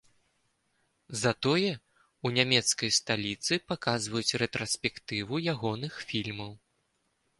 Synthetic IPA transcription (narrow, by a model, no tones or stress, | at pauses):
zat̪ɔjɛ | unʲamʲɛt̪skɐjst̪alʲit̪sɨpakazvɐjut͡sʲrɛt̪ɾɐsʲpʲɛkt̪ɨvujaɣɔnɨxfʲilʲmɐw